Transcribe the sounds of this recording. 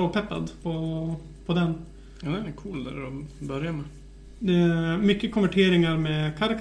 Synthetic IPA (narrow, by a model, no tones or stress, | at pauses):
oːpʰɛpːa̰d̪pʰɔ | pʰɔd̪ɛn | ɑd̪ɛnkʰuːld̪æ̰ɾɔbœɾjamɛ | d̪ɛæmʏkːəkʰʊnʋvæʈʰeːɾɪŋaɾmɛkʰaɾɪk